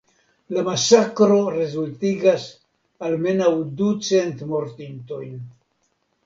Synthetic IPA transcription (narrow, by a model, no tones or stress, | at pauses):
lamasakɾo̞ɾe̞zultiɡas | alme̞nawdut͡se̞ntmo̞ɾtinto̞jn